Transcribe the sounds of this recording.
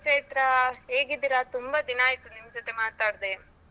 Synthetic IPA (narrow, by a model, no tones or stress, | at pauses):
t͡ʃeːt̪ɾɐɦe̞ːɡid̪iɾɐt̪umbɐd̪inaːjt̪unimɐd͡ʒot̪e̞maːt̪aːɽd̪e